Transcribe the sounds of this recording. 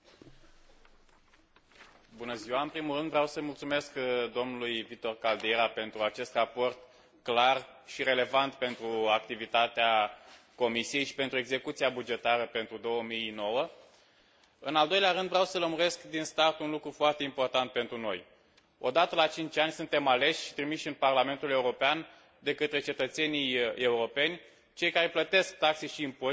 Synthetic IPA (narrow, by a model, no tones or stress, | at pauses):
bunəziwaɨnpɾimulɾɨnd̪vɾeawsəmult̪sume̞skd̪o̞mnulujvik̚t̪o̞rkald̪eɾape̞nt̪ɾuat͡ʃe̞st̪rapo̞rt̪ | klarʃiɾe̞le̞vant̪pe̞nt̪ɾuakt̪ivit̪at̪ea | ko̞misije̞jʃi̥pe̞nt̪ɾue̞ɡze̞kut̪siabud͡ʒe̞t̪aɾəpe̞nt̪ɾud̪o̞wəmijno̞wə | ɨnald̪o̞jleaɾɨnd̪vɾeawsələmuɾe̞skd̪inst̪art̪unlukɾufoart̪e̞impo̞rt̪ant̪̚pe̞nt̪ɾuno̞̰j | o̞d̪at̪əlat͡ʃint͡ʃʲanʲsunt̪e̞male̞ʃʲʃi̥t̪ɾimiʃɨnparlame̞nt̪ule̞uɾo̞pean | d̪e̞kət̪ɾe̞t͡ʃe̞t̪ət̪se̞nije̞uɾo̞pe̞nʲ | t͡ʃe̞jkaɾe̞plət̪e̞sk̚t̪akseʃiːmpo